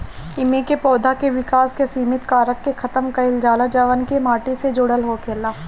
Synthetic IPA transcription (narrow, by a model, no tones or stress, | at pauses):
ɪmẽkepɔːd̪ʱakeʋɪkaːskesiːmɪt̪kaːɾəkːekʰɐt̪əmkɐɪld͡ʒaːlad͡ʒɐʋənkemaːʈised͡ʒoːɽəlɦoːkʰeːlaː